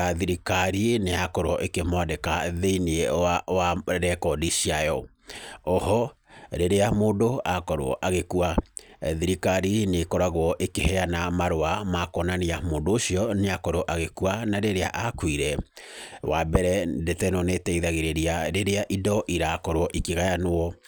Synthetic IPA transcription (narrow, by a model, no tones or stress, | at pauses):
aðiɾikaɾineakɔɾwɔʔekemwadɛkaðeinewaɾɛkɔdiʃiajɔ | ɔhɔ | ɾeɾeamoːndoakɔɾwɔ̰ʔaɣekuaðiɾikaɾinekɔɾaɣwɔʔekehɛanamaɾoamakɔnaneamoːdoːɕiɔneakɔɾɔʔaɣekuanaɾeɾea̰ʔakuiɾɛ | wabɛɾɛdetɛnɔnetɛiðaɣeɾeɾiaɾeɾeaʔidɔʔiɾakɔɾwɔʔikeɣajanoɔ